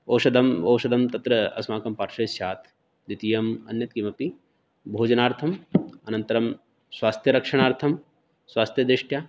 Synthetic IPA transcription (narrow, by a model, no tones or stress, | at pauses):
oːʃɐd̪ɐmɐːʃɐd̪ɐmt̪ɐt̪ɾɐɐ̰smaːkɐmpaːɾʃɐjsjaːt̪ʰ | d̪it̪ijɐmɐ̰njɐt̪kimɐpi | bʱoːd͡ʒɐnaːɾt̪ʰɐmɐnɐnt̪ɐɾɐm | swaːst̪ʰjɐɾɐkʂɐɳ̃aːɾt̪ʰɐm | swaːst̪ʰjɐd̪ɾɪʂʈjaː